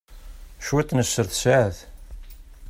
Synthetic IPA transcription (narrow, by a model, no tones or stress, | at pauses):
ʃwet̪ˤːnəsːəɾθsaʕθ